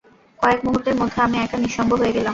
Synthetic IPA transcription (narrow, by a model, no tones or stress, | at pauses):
kɔekmuɦuʈːeɾmod̪ʱːeamiɛkaniʃɔmbʱoɦoeɡelam